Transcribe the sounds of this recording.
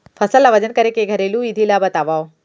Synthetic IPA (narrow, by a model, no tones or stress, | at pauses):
fʰɐsəlaʋɐd͡ʑənkɐɾekeɡʱɐɾeːlũid̪ʱilabɐt̪aːʋaːo